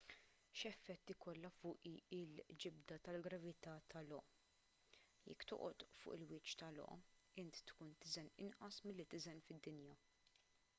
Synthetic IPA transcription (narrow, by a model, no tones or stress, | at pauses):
ʃɛfːɛt̪ːikɔlːɐfʊːʔiɪld͡ʒɪb̚d̪ɐt̪ɐlɡɾɐvɪt̪ɐt̪ʰɐlɔʔ | jɛ̰kːt̪ɔ̰ʔɔt̪fʊ̰ːʔɪlwɪːt͡ʃt̪ɐlɔ̰ʔɪnt̪t̪kuːnt̪ɪzɛnɪ̰nʔɐsmɪlːit̪ɪzɛnfɪd̪ːɪnjɐ